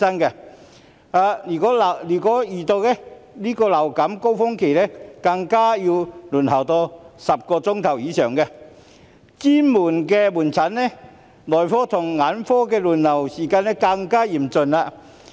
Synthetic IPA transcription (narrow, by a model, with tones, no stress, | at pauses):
sɐ˥nkɛ˧ | aː˧yː˨˩kɔː˨˥lliː˨˩kɔː˨˥jiː˨˩t̪o˧wlɛ˥liː˥kɔː˧lɐ˨˩wkɐ˨˥mko˥wfʊ˥ŋkʰe˨˩jlɛ˥kɐ˧ŋkaː˥jiː˧wluː˨˩nhɐ˨˩wt̪ɔː˧sɐ˨p̚kɔː˧t͡sʊ˥ŋt̪ʰɐ˨˩wjiː˨˥sœː˨˩ŋkɛ˧ | t͡siː˥muː˨˩nkɛː˧muː˨˩nt͡sʰɐ˨˥nːɛ˥ | lɔː˨˩jfɔː˥t̪ʰʊ˨˩ŋŋaː˨˥nfɔː˥k̬ɛː˧luː˨˩nlɐ˨˩wsiː˨˩kaː˧nɛ˥kɐ˧ŋkaː˥jiː˨˩mt͡sɵ˧naː˧